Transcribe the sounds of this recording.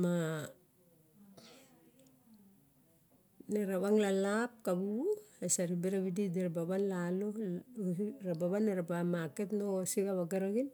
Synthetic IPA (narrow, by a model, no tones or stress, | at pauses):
ma | neɾaβaŋlalap̚kabuesaɾibeɾaβidideɾabaβanlalo | ɾabaβanːeɾabamaketnosiɡaβaɡaɾaɡin